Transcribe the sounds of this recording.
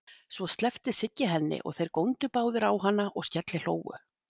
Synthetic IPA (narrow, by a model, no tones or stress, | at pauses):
svɔst̪lɛft̪ɪsɪcːɪɦɛnːɪ̰ʔɔ̰ɣθejɾkownt̪ʏpaːwðʏɾawɦanːaʔɔɣscɛt̪lɪl̥o̰ːwwʏ̰